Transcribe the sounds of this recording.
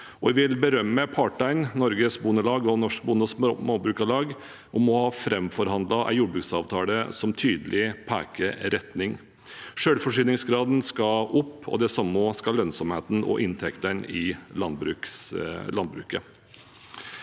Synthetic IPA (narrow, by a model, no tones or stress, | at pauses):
ɔʋɛʋɪlbəɾœmːəpʰɑʈæɪnnɔɾɡəsbʊnəlɑːɡɔnɔʂk̚bʊnəsmɑbɾʉːkɑlɑːɡ | ʔɔmɔhɑːfɾɛmfɔɾhɑnd̪lɑʔæ̰ɪjuːɖbɾʉːksɑːʋt̪ʰɑːləsɔmt̪ʰyːd̪əlʔɪpʰæ̰ːkəɾɛt̪nɪŋ | ʂøːɽfɔʂyːnɪŋsɡɾɑːd̪nskɑʔʊpːʰɔ̰d̪ɛsɑmːoskɑlœnsɔmheːt̪n̩ɔ̰ʔɪnt̪ʰɛkt̪ənɪlɑnbɾʉklɑnd̪bɾʉ̰ːkə